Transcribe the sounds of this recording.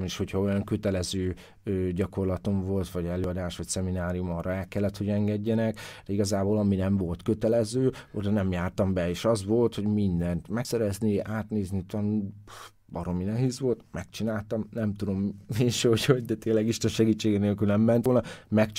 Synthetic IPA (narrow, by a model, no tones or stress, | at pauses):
meːʃho̞cʰhɒo̞jɒŋkø̞t̪ɛlɛzøː | øɟɒko̞rlɒt̪o̞ɱvo̞lt̪ʋɒɟɛløːɒd̪aːʃʋɒcsɛminaːɾijumɒːrɒɛlkɛlːɛt̪ho̞ɟɛŋɡɛɟːɛnɛkd̪̥ɛiɡɒzaːboːlɒminɛɱvo̞lt̪kø̞t̪ɛlɛzøːod̪ɒnɛmjaːrt̪ɒmbɛeːʃɒzʋolt̪ho̞ɟmind̪ɛnt̪mɛksɛɾɛzniaːt̪neːznit̪ɒnu | bɒɾo̞minɛɦeːzʋo̞lt̪mɛk̚t͡ʃinaːlt̪ɒmnɛmt̪ud̪o̞mːeːʃɟhoɟd̪ɛt̪eːnlɛɡiʃt̪ɛnʃɛɡiːt͡ʃːeːɡɛneːlkyːlnɛmːɛnt̪olnɒmɛkt͡ʃ